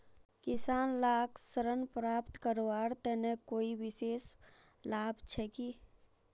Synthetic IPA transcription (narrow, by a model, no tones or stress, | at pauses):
kɪsaːnlaːksəɾənpɾaːpt̪kəɾoaːɾt̪ɛnekoːiʋɪseːs | laːbt͡ʃʰɛki